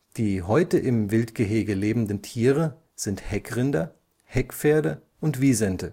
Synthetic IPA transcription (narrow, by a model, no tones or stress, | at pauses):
d̥iːɦɔʏtəʔɪmvɪltɡ̥əɦeːɡəleːbm̩dəntʰiːʁə | z̥ɪnthɛkʁɪndɐ | hɛkfeːɐdə | ʔʊntv̥iːzɛntʰə